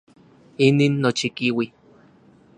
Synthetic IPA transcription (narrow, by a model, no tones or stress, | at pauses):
iniːnːot͡ʃikiwi